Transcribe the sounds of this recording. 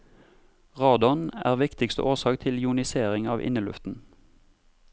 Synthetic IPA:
ʁɑːd̪ɔnæ̰ːʁʋɪkt̪ɪkst̪ə̰ʔoːʁsɑːkt̪ʰɪljʊnɪseːʁɪŋɑːʋʔɪ̰nəlʉ̰ft̪n̩

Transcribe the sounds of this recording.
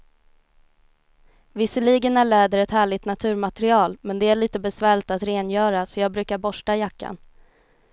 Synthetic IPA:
vɪsəliːɡənæɭɛːd̪əɾɛt̪hæːɭɪɡt̪nat̪ʰʉ̟ːɾmat̪ɛɾɪɑːlmɛnd̪ɛæɭiːt̪əbɛsvæːɭɪt̪at̪ɾeːnjœːɾasɔjɑːɡ̚bɾʉ̟ːkaɾbɔʂʈajakːa̰n

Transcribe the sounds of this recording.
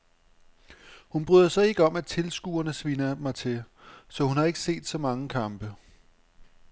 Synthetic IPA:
hunb̥ʁyðˠɐsɒ̽e̝ɡ̥əɒ̽mæt͡sʰe̝lsɡ̥uːɐnəsʋenɐmɑ̈ɪt͡sʰe̝ | sɒ̽hunhɑ̈e̝ɡ̥əse̝̰ːd̥sɒ̽mɑ̈ŋəkʰɑ̈mb̥ə

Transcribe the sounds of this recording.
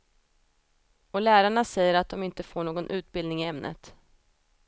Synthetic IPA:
ɔlæːɾaɳasɛjːəɾat̪̚d̪ɔmɪnt̪əfoːɳoːɡɔnʔʉ̟ːt̪̚bɪld̪nɪŋɪɛmnʔə̰t̪

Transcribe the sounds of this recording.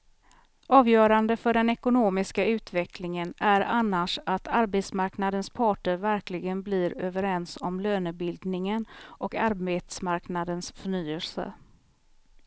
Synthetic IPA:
ɑːvjœːɾand̪əfœɖɛnɛkʊnoːmɪskaʉ̟ːt̪vɛklɪŋənæɾanːaʂat̪ʰaɾbeːt̪smaɾknad̪ənspʰɑːʈəɾvæɾklɪɡənblɪɾøːvəɾɛnsɔmløːnəbɪld̪nɪŋənʔɔkaɾbeːt̪smaɾknad̪ənsfœɳyːəlsə̰

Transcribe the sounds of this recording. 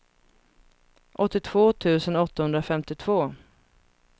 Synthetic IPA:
ʔɔt̪ːɪt̪ʰv̥oːt̪ʰʉ̟ːsənɔt̪ːahɵnd̪ɾafɛmt̪ɪt̪ʰv̥oː

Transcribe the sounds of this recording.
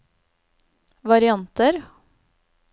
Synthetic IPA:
ʋɑɾɪɑnt̪əɾ

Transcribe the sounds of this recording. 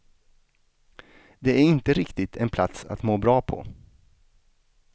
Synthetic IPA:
d̪ɛæɾɪnt̪əɾɪkt̪ɪt̪ʰɛnpʰlat̪sa̰t̪moːbɾɑːpʰɔ̰

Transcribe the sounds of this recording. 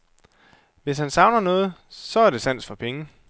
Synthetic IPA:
ʋe̝shænsɑ̈ʊnɐnɔ̽ːð̞̩ˠsɒ̽æɐd̥e̝sæn̰d̥fɒ̽pʰeŋə

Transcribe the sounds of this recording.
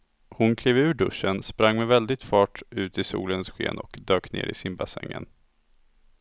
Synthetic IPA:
hʊnkʰliːvʉ̟ːɖɵʂːənspɾaŋːmɛvɛld̪ɪɡ̚t̪fɑːʈʉ̟ːt̪ɪsṵːlənsɧḛːnɔkd̪øːknḛːɾɪsɪmbasɛ̰ŋːə̰n

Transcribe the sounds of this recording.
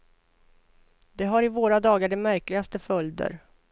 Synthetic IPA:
d̪ɛɦaɾɪvoːɾad̪ɑːɡaɖɛmæɾklɪɡast̪əfœljd̪ə̰ɾ

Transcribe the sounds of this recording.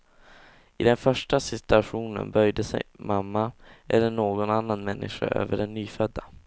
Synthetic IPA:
ɪd̪ɛnfœʂʈasɪt̪ɵaɧuːnə̰nbœjd̪əsɛ̰jmamːaʔɛlːəɳoːɡɔnanːanmɛnːʔɪɧa̰ʔø̰ːvəɖɛnːyːfœd̪ːa

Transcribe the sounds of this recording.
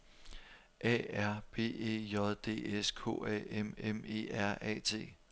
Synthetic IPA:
ʔɛ̰æɐ̰b̥e̝̰ːe̝̰ːjɒðˠd̥e̝̰ːeskʰo̝̰ːɛ̰ememe̝̰ːæɐ̰ɛ̰ːt͡sʰe̝̰ː

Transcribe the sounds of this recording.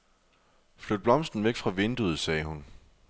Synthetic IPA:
flød̥̚b̥lɒ̽msd̥n̩ʋeɡ̥fʁɑ̈ʋe̝nd̥uð̞̩ˠsɛːhun

